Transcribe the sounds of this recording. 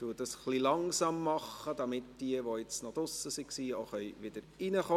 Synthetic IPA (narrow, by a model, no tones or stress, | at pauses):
t̪uːtd̥ɑsχlilɑŋsɑmːɑχːəd̥ɑmɪtd̥iəʋoɪt͡snɔd̥ʊsəsiksiːoχœʏʋɪd̥əɾinəχo